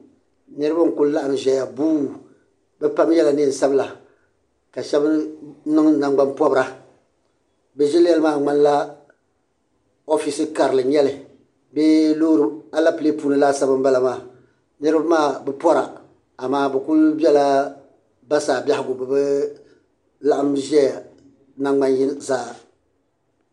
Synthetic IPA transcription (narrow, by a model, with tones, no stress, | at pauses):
nɨ˦ɾɨ˦ba˦ŋ̩˨kʊ˦lla˦ʔa˨ŋ˨ʒɛ˨ja˨buː˦˨ | bɛ˦pa˦m˦jɛ˦la˨nɨ˦˨sa˦bla˨ | ka˨ʃɛ˦bɨ˦nɨ˦ŋna˨ŋɡ͡ba˦npɔ˦bɨ˦ɾa˦ | bɛ˦ʒɛ˦ljɛ˦lɨ˦maː˦ŋ͡ma˦nla˦ | o˦fi˨sɨ˦ka˨ɾɨ˨lɨ˨ɲɛ˦lɨ˨ | be˦loː˦ɾɨ˦a˦la˦pɨ˨le˦puː˦nɨ˦laː˦sa˦bɨ˦m˦ba˦la˨maː˦˨ | nɨ˦ɾɨ˦ba˦maː˦˨bɛ˨pɔ˦ɾa˨ | a˨maː˦bɛ˨kʊ˦lbɛ˦la˦ | ba˦saː˨bʲa˦hɪ˨ɡʊ˨bɛ˨bɛ˦ | la˦ʔa˦mʒɛ˦˨ | na˦ŋɡ͡ba˦nji˦zaː˦˨